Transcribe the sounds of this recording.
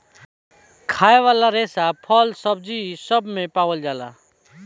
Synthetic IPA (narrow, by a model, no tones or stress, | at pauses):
kʰaːeʋaːlaɾeːsapʰəlsəbd͡ʒisəbmẽpaːwəld͡ʒaːla̰